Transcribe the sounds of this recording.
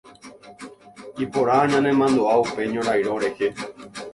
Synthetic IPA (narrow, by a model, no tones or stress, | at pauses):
ipoɾaaɲãnẽ̞mãnd̪oaupe̞ɲõɾajɾoɾehe